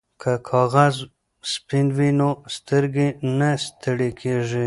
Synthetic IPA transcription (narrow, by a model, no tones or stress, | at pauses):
kʰəkʰɑɣaz | spinwinost̪əɾɡenast̪əɽekʰeʐi